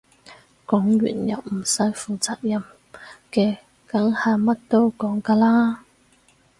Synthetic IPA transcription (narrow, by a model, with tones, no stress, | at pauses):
kɔ˨˥ŋɥy̰ː˨˩njɐ˨˩wm̩˨˩sɐ˨˥jfuː˨t͡saː˨k̚jɐ˨˩m | kɛː˧ | kɐ˨˥ŋhaː˨mɐ˥t̚t̪o˥wkɔː˨˥ŋkaː˧laː˥